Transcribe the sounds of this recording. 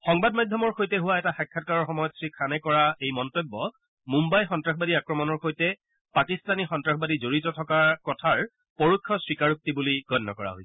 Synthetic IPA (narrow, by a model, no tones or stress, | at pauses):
xɔŋbadmajdʱjɔmɔɹxojtɛɦʊwaɛtaxakʰːatkaɹɔɹxɔmɔjɔtsɹikʰːanɛkɔɹaejmɔntɔbːɔ | mumbajxɔntɹaxbadiakɹɔmɔnɔɹxojtɛ | pakistanixɔntɹaxbadizoɹitɔtʰɔkaɹkɔtʰaɹ | poɹukʰːɔswikaɹuk̚tibuliɡɔnːɔkɔɹa̰ɦoj